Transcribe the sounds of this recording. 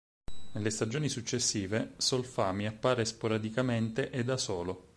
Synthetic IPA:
nelːest̪ad͡ʒoːnisut͡ʃːesːiːvesolfamiapːaːɾespoɾad̪ikament̪eʔed̪asoːlo

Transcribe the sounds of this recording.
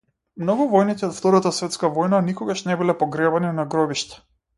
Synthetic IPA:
mnɔɡuvɔjnit̪ɛɔt̪ft̪ɔɾat̪asvɛt̪skavɔjnanikɔɡaʃnɛbilɛpɔɡɾɛbaninaɡɾɔbiʃt̪ḁ

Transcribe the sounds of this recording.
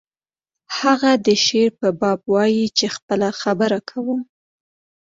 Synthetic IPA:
haɣad̪əʃeɾpəbɑbwɑjit͡ʃexpəlaxabəɾakʰawəm

